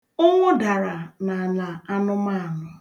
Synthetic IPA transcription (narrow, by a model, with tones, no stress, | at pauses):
ʊ˦ŋʷʊ˦da˨ɾa˨na˨a˨na˨a˦nʊ˦ma˦˨a˨nʊ˦